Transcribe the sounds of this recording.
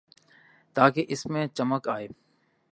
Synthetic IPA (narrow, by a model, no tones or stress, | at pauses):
t̪aːkeʔɪsmẽt͡ʃəməkaːeː